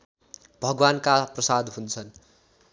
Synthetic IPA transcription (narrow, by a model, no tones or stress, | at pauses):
bʱʌɡwankaprʌsad̪ɦũnt͡sʰʌn